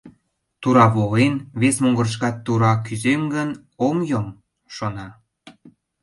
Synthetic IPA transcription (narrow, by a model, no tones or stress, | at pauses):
t̪uɾɑβolenβesmoŋɡə̆r̆ʃ̬kɑt̪ːuɾɑk̬yzeŋɡən | omjom | ʃonɑ